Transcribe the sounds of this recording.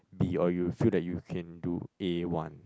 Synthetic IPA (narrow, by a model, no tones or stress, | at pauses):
biɔjufildɛt̚jukʰɛ̃ndṵʔewãn